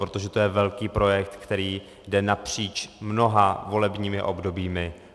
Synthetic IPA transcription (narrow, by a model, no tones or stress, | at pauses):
ɾot̪o̞ʒɛt̪o̞jɛvɛlkiːpɾo̞jɛk̚t̪kt̪ɛɾiː | dɛnapr̝̥iːt͡ʃmno̞ɦavo̞lɛbɲiːmɪʔo̞bdo̞biːmɪ